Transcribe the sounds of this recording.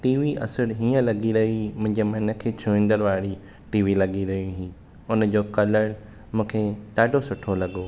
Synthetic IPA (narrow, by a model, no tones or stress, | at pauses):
ʈiːʋiʔɐ̰səɾɦiːə̃lɐɡiɾɐɦiɦimʊ̃ɦɪ̃ɲd͡ʑemɐ̃ɪ̃nə̆kʰet͡ɕʰʊĩn̆d̪əɾʋaːɾi | ʈiːʋilɐɡiɾɐɦijũɦiː | ʊnə̆d͡ʑoːkɐləɽ | mũːkʰeɗaːɖʱosʊʈʰolɐɡoː